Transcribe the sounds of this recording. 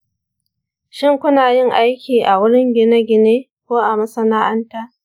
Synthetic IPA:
ʃɪ˦ŋkʷʊ˦naː˨jɪ˦ŋʔa˦jkʲiː˨ʔa˨wʊ˦ɽɪ˦ŋɡʲɪ˦na˦ɡʲɪ˨neː˦ | kʷoː˦ʔa˨mɐ˦sɐ˦naː˦ʔɐ˦ntaː˦ʔ

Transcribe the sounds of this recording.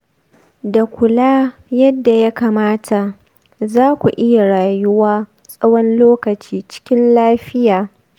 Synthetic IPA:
da˨kʷʊ˨laː˦jɐ˦dːa˨ja˦kaː˨maː˦tʰa˨ | zaː˦kʷu˨ʔɪ˦ja˨ɽaː˨jʊ˦waː˦ | sʼɐ˦wɔ˦nloː˦kɐ˨t͡ʃiː˦t͡ʃɪ̥˦kʲɪ˦nlaː˦ɸɪ˦jaː˨

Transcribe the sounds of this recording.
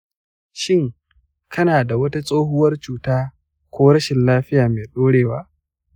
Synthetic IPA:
ʃɪ˦ŋ | kʰɐ˦naː˨da˨wɐ˦ta˦sʼoː˦ɦʊ˦wɐ˦rt͡ʃuː˨taː˦ | kʷoː˦ɾɐ˦ʃɪ˨nlaː˦ɸɪ˦jaː˨meː˨ɗoː˦ɽeː˨waː˦

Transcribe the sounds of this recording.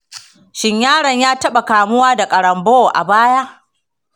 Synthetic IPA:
ʃɪ˦ɲjaː˦ɽɐ˨ɲjaː˦tɐ˦ɓa˨kaː˨mʊ˦waː˦da˨kʼɐ˨ɽɐ˨mboː˦˨ʔa̰˨baː˦jaː˦ʔ

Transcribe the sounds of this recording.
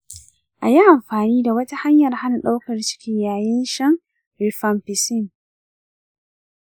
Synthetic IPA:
ʔa̰˨ji˦ʔa˨mɸaː˨niː˦da˨wɐ˦ta˦ha˦ɲjɐ˨rha˦na˨ɗa˦wkɐ˨rt͡ʃɪ̥˦kʲɪ˦ɲjaː˨jɪ˦nʃɐ˦ŋ | ɾɪ˨fɐ˨mpɪ˨sɪ˦˨ŋ

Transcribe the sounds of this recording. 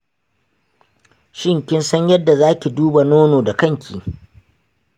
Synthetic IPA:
ʃɪ˦ŋkʲɪ˦nsɐ˦ɲjɐ˦dːa˨zaː˦kʲi˨duː˦ba˨noː˦noː˨da˨kɐ˦ŋkʲʰḭː˨

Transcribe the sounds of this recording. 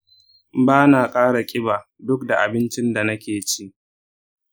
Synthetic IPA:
baː˦naː˨kʼaː˦ɽa˨kʲʼɪ˦baː˨ | dʊ˦kda˨ʔa˨bɪ˦nt͡ʃɪ˦nda˨nɐ˦kʲeː˨t͡ʃi˦ʔ

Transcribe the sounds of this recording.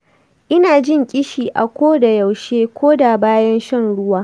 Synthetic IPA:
ʔɪ˦naː˨d͡ʒɪ˦ŋkʲʼɪ˦ʃiː˨ʔa˨kʷoː˦da˨ja˨wʃeː˦kʷoː˦da˨baː˦jɐ˦nʃɐ˦nɽʊ˦waː˦

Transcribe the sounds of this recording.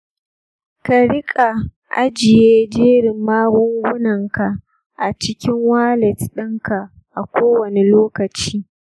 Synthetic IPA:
ka˨ɽɪ˦kʼa˨ | ʔa̰˦d͡ʒɪ˨jeː˦d͡ʒeː˦ɽɪ˨mːaː˦ɡʷʊ˦ŋɡʷʊ˦nɐ˨ŋka˨ʔ | ʔa˨t͡ʃɪ˦kʲɪ˦ŋwaː˦lɛ˨tɗɪ˦ŋka˨ | ʔa˨kʷoː˦wɐ˨ne˨loː˦kɐ˨t͡ʃiː˦

